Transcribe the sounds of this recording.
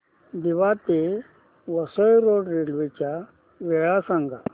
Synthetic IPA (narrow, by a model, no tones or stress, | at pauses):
d̪iʋat̪e | ʋəsəjɾoɖɾelʋet͡ɕa | ʋɛɭasãŋɡa̰